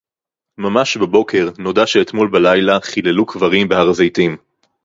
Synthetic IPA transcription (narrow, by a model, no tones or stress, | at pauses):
mamaʃbebo̞kʰe̞ʁno̞daʃeːt̪molbalajlaχilelukvaʁimbeaʁazejt̪im